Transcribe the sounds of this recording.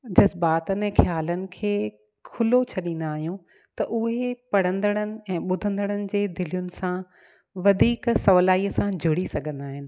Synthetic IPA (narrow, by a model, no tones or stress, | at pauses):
d͡ʑɐzbaːt̪ənɪ̆ɛ̃ːxjaːlənɪ̆kʰeː | kʰʊlot͡ɕʰɐɗĩːnd̪aːɦijũ | t̪ɐʔʊɦepɐɽ̤ə̃nd̪əɽ̃ənɪ̆ɛ̃ːɓʊd̪ʱə̃nd̪əɽ̃ənɪ̆d͡ʑeːd̪ɪlijʊnɪ̆sã | ʋɐd̪ʱiːksɐʋlaːiːəsãd͡ʑʱʊɽisɐɡʱə̃nd̪aːɦɪnɪ̆